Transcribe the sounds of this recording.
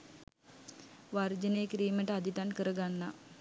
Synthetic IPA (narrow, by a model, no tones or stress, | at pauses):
ʋard͡ʒənəjekɾiːməʈəad̪it̪ankəɾəɡanːa